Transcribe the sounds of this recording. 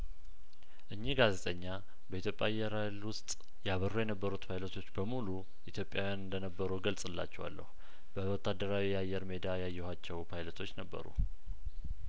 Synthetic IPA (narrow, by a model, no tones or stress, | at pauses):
ʔɨɲːihɡaze̞t̪ʼəɲːa | bəit̪ʰjopʼja̰jːɛɾalwʊst̪ʼ | jaβərujɛnəbːəɾut̪pʰajlət̪ʰo̞t͡ʃːbəmulu | ʔit̪ʰjo̞pʼːjawjanɨnd̪ənəbːəɾuɡəlsʼɨlːa̰t͡ʃːɛwa̰lːə̰hu | b̥əwɔt̪ʰːad̪ːəɾawijajːɛɾme̞d̪ajajːɛhat͡ʃːɛwpʰajlət̪ʰo̞t͡ʃːnəbːə̰ɾṵ